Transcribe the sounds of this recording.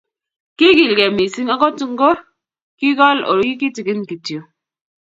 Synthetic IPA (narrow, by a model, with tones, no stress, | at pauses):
ki˦ɡi˨lɡe˨mi˨si˦ŋa˦kɔ˦tu˦ŋ̩˦ɡo˦ | ki˦ɣɔ˦lo̰˨ɾi˦ki˦ti˨ɡi˦n˨ki˨tjo˨